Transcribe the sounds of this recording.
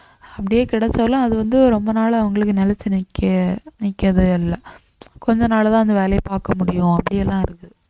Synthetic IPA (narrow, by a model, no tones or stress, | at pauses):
ɐpːɐɽɪjeːkɪɽɛt͡ʃːɐʋɐlãɐðɯʋɐnd̪ɯɾɔmbɐnaːlɐɐʋɐŋɡɐɭɯkːɯnɛlɐt͡ʃːɪnɐkːɐnɪkːɐðɯɪlːɐ | kɔɲd͡ʒɐ̃naːlɐt̪ãːɐnd̪ɐʋeːlɐjɐpaːɾkɐmʊɽɪjʊ̃ɐpːɐɽɪjɛlːãːɪɾɯkːɯ